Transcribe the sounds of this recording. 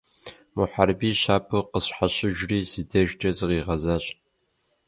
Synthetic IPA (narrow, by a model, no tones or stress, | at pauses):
muħarbiːɕaːpʰɨqəɕħaɕɪʒriːzidɐʒtʰʼɐzɨʁiːʁɐzaːɕ